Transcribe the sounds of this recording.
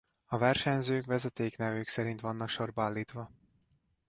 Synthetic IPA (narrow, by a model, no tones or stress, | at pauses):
ɒvɛrʃɛɲzøːkvɛzɛt̪eːknɛvøːksɛɾint̪ʋvɒnːɒkʃo̞rbaːlːiːt̪ʋɒ